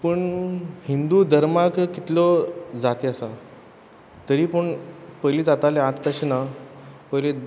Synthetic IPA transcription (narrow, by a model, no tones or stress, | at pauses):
pəɳhind̪ud̪ʱəɾmakkit̪lɔd͡zat̪easa | t̪əɾiːpəɳpəjlid͡zat̪aleãt̪d̪əɕnapəjle